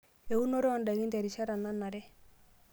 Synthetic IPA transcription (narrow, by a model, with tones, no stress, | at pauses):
e˨u˦no˦ɾe˦ɔ˨nda˨ɣi˦ntɛ˨ɾi˨ʃa˦ɾa˨na˦na˨ɾɛ˦